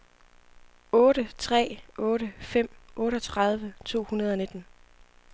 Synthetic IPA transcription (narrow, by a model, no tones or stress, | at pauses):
ɔ̽ːɾət͡sʰʁɛ̰ːɔ̽ːɾəfem̰ʔɔ̽ːɾəɒ̽t͡sʰʁɑ̈ð̞ˠʋət͡sʰo̝̰ːhunɐð̞̩ˠɒ̽ne̝d̥n̩